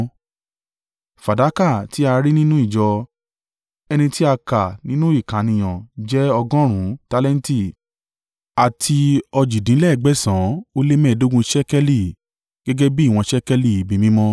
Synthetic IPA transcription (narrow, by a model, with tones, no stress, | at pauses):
fa˨da˨˦ka˦˨ti˨˦a˧ɾi˦nĩ˦nũ˦i˦˨d͡ʒɔ˧ | ɛ˧nĩ˧ti˦a˧ka˨nĩ˦nũ˦i˦˨kã˨˦nĩ˨j̃ɔ̃˨d͡ʒɛ˦ɔ˧ɡɔ̃˦ɾ̃ũ˨˦ta˧lɛ˦n̩˦ti˦˨ | a˨tʰi˧ɔ˧d͡ʒi˨dĩ˨˦lɛ˦˧˨ɡ͡bɛ˦sã˨˦o˦le˦mɛ̃ː˦˨do˦ɡũ˧ʃɛ˦kɛ˦li˦˨ | ɡ̥ɛ˦ɡɛ˦bi˦˨w̃ɔ̃˧ʃɛ˦kɛ˦li˦˨i˨bi˧mĩ˦mɔ̃˦